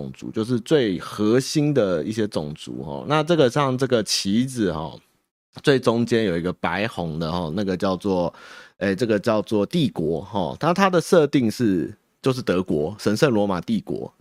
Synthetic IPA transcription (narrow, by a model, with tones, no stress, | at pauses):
ŋt͡sṵ˨˦t͡ɕjo˥˧ʊʂ̬ɻ̩˥˧t͡swe˥˩ɪxə˧˦ɕi˥nd̪ə˨i˥˩ɕ̬jɛ˥t͡sʊ˨˩ŋt͡sṵ˨˧˦xɔ̰˨˩na˥˧ʈ͡ʂɤ˥˩ɡə˩ɕjɑ˥˧ŋʈ͡ʂɤ˥˩ɡə˩t͡ɕʰi˧˥d͡zɹ̩˨xɔ̰˨˩ | t͡swe˥˩ɪʈ͡ʂʊ˥˦ŋt͡ɕjɛ˥˦njo˨˩ʊi˧˥ɡə˧pa˧˦ɪxɔ˧˥ŋd̪ə˧xɔ˥˨na˥˩ɡə˩t͡ɕjɑ˥˧ʊt͡swɔ˥˩e˥˩ɪʈ͡ʂɤ˥˩ɡə˩t͡ɕjɑ˥˧ʊt͡swɔ˥˨t̪i˥˨˩kwɔ˧˥xɔ̰˥˩t̪ʰa˥˨t̪ʰa˥d̪ə˨ʂɤ˥˧t̪i˥˧ŋʂɻ̩˥˧ | t͡ɕjo˥˧ʊʂ̬ɻ̩˥˩t̪ɤ˧˥kwɔ˧˥ʂə˧˥nʂə˥˩nlwɔ˧˥ma˨˩t̪i˥˩kwɔ̰˧˥